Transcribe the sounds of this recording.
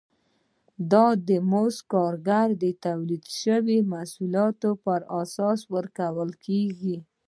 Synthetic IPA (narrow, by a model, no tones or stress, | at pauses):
d̪ɑd̪əmoskɑɾɡaɾd̪ət̪awlid̪ʃəwimasulɑt̪opəɾasɑswəɾkawəlkʰeɡi